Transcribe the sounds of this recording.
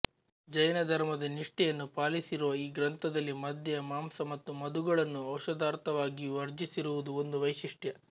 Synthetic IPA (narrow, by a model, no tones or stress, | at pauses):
d͡ʒɐjɐnɐd̪ʱɐɾmɐd̪ɐniʂʈɛjɐnːupaːlisiɾuʋɐiːɡɾɐnt̪ʰɐd̪ɐlːimɐd̪ʱjɐjɐmaːmsɐmɐt̪ːumɐd̪uɡɐɭɐnːuɐwʃɐd̪aːɾt̪ɐʋaːɡiʋɐɾd͡ʒisiɾuʋud̪uo̞nd̪uʋɐjʃiʂʈjɐ